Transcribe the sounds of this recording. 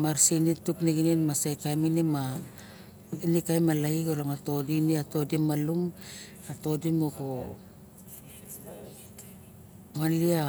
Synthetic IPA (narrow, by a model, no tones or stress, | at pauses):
maɾsinitukniɡininmasajkajminima | inikajmalaikolaŋato̞diniato̞dimalum | ato̞dimoko | malia